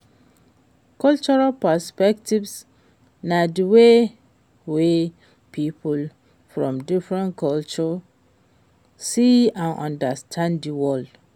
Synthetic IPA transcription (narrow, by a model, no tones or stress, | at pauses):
kʰɔlt͡ʃɔɹalpaspɛktivs | nãdiwe | we | pʰipʰul | fɹɔ̰̃mdifɹɛ̃nkʰɔlt͡ʃɔ | siãnɔ̰̃ndastʰãndiwɔld